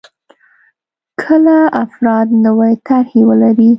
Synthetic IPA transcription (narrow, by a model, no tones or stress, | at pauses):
kʰəlaafɾɑd̪nəwajt̪aɾhewəlaɾi